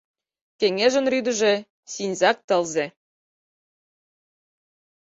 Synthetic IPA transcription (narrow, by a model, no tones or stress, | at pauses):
kʲeŋeʒə̆nryd̪ə̆ʒĕ | sinʲzɑk̚t̪ɤ̆lzʲe